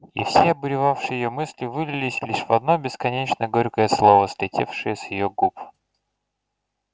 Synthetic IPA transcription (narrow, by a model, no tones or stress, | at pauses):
ḭfsʲeɐbɨɾʲɪvafʂɨjɪjomɨsʲlʲɪvɨlʲɪlʲɪsʲlʲiʂvɐd̪̚no̞bʲɪskɐnʲet͡ɕnəɡoɾʲkəjəslˠovəst̪ʲɾʲɪtʲefʂɨjəsʲjɪjoɡup